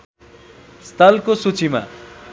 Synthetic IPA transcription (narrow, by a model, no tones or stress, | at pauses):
st̪ʌlkosut͡sima̰